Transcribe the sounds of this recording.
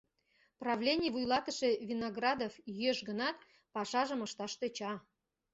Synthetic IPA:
prɑvlʲenʲɪijvujlˠɑt̪ə̆ʃevʲinɐɡrɑd̪ofjøʃɡə̆nɑt̪ | pɑʃɑʒə̆məʃt̪ɑʃt̪ĕt͡ɕɑ

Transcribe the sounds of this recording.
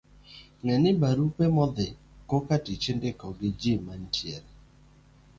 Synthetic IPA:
ŋɛnɪbaɾupemɔd̪ɪ | kokatit͡ʃendekɔɡɪd͡ʒimantjɛl

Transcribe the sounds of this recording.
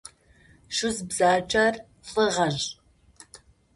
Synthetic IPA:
ʂʊzbzaːt͡ʃʼɐr | ɬʼɨʁɐʒ

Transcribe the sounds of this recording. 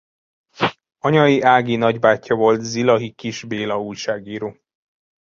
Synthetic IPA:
ɒɲɒjiʔaːɡinɒɟbaːcʰːɒvo̞lt̪zilɒɦikiʒbeːlɒuːjʃaːɡiːɾoː

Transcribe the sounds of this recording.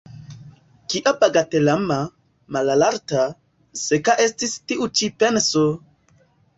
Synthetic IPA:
kiʔabaɡatelama | malalaɾta | sekaʔestistiʔut͡ʃipenso

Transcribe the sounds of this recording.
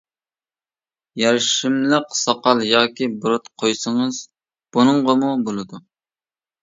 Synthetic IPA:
jɛɾʃɪmləqsɑqɑlˠjɑːkʲibuɾʊt̪qʰojsɨŋɨz̥ | b̥unɨŋʁəmubolˠɨd̪u

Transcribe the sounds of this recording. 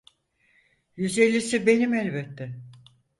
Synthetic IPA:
jyze̞lʲːisibe̞nimɛlʲbɛt̪ʰːɛ

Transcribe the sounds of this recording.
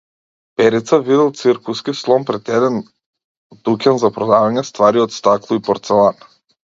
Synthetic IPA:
pɛɾit̪savid̪ɛlˠt̪siɾkuskislˠɔmpɾɛt̪ɛd̪ɛn | d̪ukʲɛnzapɾɔd̪avaɲɛst̪vaɾiɔt̪st̪aklˠuipɔɾt̪sɛlˠan

